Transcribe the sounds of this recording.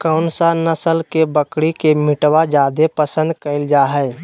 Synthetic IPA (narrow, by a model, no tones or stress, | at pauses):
kəʊnsanəsəlkebəkɽikemɪʈwad͡ʒad̪epəsə̃nd̪kəɪld͡ʒaɦəɪ